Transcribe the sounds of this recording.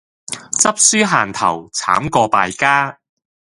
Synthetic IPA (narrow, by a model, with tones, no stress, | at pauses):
t͡sɐ˥p̚syː˥ɦaː˨˩nt̪ʰɐ˨˩wt͡sʰa̰ː˨˥mkɔː˧paː˨jkaː˥